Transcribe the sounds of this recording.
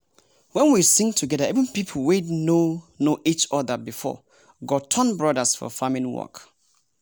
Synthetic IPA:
wɛ̃nwisɪ̃ŋtʰuɡɛdaivə̃npipʰəwetnonoʔit͡ʃɔðəbifɔ̰ | ɡɔtʰɔ̃nbɹɔdəsfɔ̰famĩnwɔ̰k

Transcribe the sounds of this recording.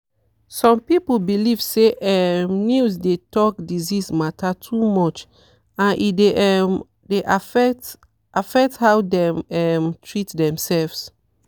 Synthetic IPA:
sɔ̃mpipl̩bilivseʔɛmnjusdetɔk̚dizismatatʰumɔt͡ʃ | ãnʔideʔɛm | deʔafɛt | ʔafɛk̚thawdɛ̃mɛmtʰɹitdɛ̃msɛlvs

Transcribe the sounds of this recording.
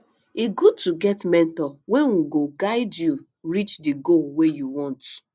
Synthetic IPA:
iɡud̚tʰuɡɛtmɛ̃ntɔweŋuɡoɡaɪdju | ɹit͡ʃdiɡolwejuwɔ̃nt

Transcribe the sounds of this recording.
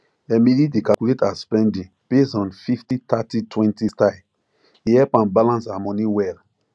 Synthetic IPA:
ɛmilidekakuletaspɛ̃ndĩn | pesɔ̃nfiftitatitʰwɛ̃ntistaɪ | iɛpãnbalãnsamɔ̃nĩwɛl

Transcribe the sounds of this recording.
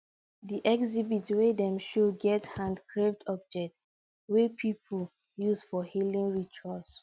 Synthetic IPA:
diʔɛkzibitwedɛ̃mʃoɡɛthãndkɹevdɔb̚d͡ʒɛk̚t | wepʰipʰul | juzfɔhilĩŋɹit͡ʃʰuas

